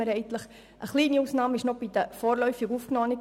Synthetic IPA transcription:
əɾɛənt̪ləχ | ʔəχliːniusnɑːməɪʃnob̥idəfoːɾlœʏfɪɡuːfknɔːni

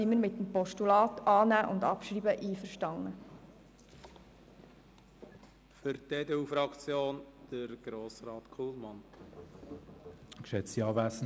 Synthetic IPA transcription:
iməɾmɪt̪ːəmpɔʃtulɑːtɑːnæːʔʊndɑ̰pʃɾiːbəʔiːfəɾʃtɑŋːə | fʏɾt̪eːd̪ɛufɾɑkt͡sjoːnd̥əɾɡ̥ɾoːsɾɑːt̪kʰulmɑn | kʃɛt͡siɑːvæsn

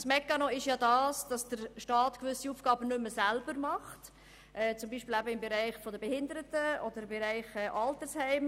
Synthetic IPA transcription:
smɛkːɑnoɪʃjɑːdɑːsd̥ɑsd̥əɾʃtɑːtkʋʏsiuːfɡ̥ɑːbənʏmːəsælbəɾmɑχt | ʔɛːt͡sʊmbiːʃpilæbəɪmbɛɾæɪχfɔd̪əbɛhɪnd̪əɾətəɔd̪əɾɪmbɛɾæɪχɛːʔɑltəshɛɪm

